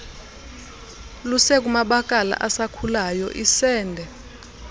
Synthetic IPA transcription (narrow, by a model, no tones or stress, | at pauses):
lusɛk̬umaɓak̬ʼala̰ʔasakʰulajɔ̰ʔisɛːndʱɛ